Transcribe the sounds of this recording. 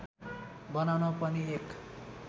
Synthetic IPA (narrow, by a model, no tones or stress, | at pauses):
bʌnawnʌpʌniek